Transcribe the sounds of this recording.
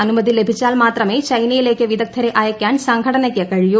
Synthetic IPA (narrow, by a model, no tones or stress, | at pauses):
ɐnumɐd̪ilebʱit͡ɕːaːlmaːt̪rɐmeːt͡ʃɐjnɐjileːkːɐʋid̪ɐk̚t̪ʰːɐɾeʔaːjɐkʲːjaːnsɐŋɡʱɐɽɐnɐkʲːɐkɐɻiju